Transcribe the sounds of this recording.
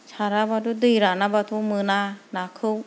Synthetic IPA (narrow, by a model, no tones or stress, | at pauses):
t͡ʃʰaɾabadudɯjɾanabatʰumɯnanakʰɯw